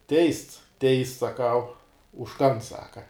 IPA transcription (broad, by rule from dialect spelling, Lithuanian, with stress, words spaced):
ˈtʲɛɪsts ˈtʲɛɪsts sɐˈkɐʊ ʊʃ ˈkɐn ˈsɑːkɐ